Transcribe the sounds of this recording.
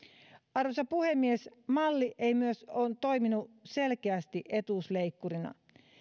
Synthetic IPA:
ɑrʋosɑpuhe̞mːiesmɑlːiʔeimyøsoːnt̪o̞jminuse̞lkeæst̪iʔe̞t̪usleikːuɾinɑ̰

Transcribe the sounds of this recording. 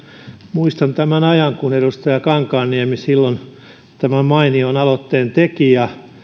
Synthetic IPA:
muist̪ɑnt̪æmænɑjɑŋkuneɾust̪ɑjɑkɑŋkɑːnniæmisilːon | t̪æmæmɑinionɑlot̪ːeːnt̪ekijɑ

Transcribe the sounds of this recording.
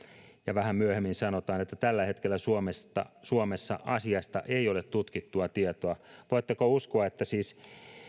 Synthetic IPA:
jɑʋæhæmmyøhemːinsɑnot̪ɑːnet̪ːæt̪ælːæhet̪kelːæsuomest̪ɑ̰suomesːɑ̰ʔɑsiɑst̪ɑ̰ʔeiolet̪t̪ut̪kit̪ːuɑt̪iet̪oɑʋoit̪ːekouskoɑet̪ːæsiːs

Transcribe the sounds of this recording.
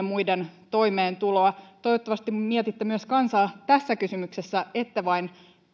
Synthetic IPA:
mujdent̪o̞ime̞ːnt̪ulo̞ɑt̪oiʋot̪ːɑʋɑst̪immiet̪it̪ːemyøskɑnsɑːt̪æsːækysymyksesːæet̪ːæʋɑin

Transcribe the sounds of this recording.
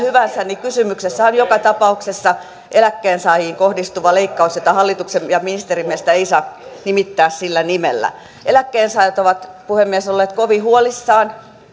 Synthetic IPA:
hyʋænsænnikysymyksesːæonjokɑt̪ɑpɑuksesːɑ | ʔelækːeːnsɑːjiːŋkohdist̪uʋɑleikːɑusjot̪ɑhɑlːit̪uksemjɑminist̪erimiest̪æeisɑːnimit̪ːæːssilːænimelːæ̰ | elækːeːnsɑːjɑt̪oʋɑt̪puhemːiɛsolːeːt̪koʋihuolisːɑːn

